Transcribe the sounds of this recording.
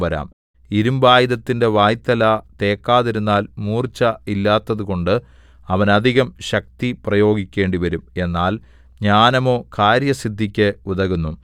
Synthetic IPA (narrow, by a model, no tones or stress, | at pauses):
ʋɐɾa̰ːm | iɾumbaːjiðɐt̪ːinde̞ʋaːjt̪ːɐlat̪e̞ːkːaːðiɾunːaːlmuːrt͡ɕːɐilːaːt̪ːɐðuɣo̞ɳɖɨ | ɐʋɐnɐd̪ʱiɣɐmɕɐk̚t̪iprɐjo̞ːɡikʲːe̞ːɳɖiʋɐɾume̞nːaːl | ɲaːnɐmo̞ːkaːɾjɐsid̪ʱːikʲːɨuðɐɣunːu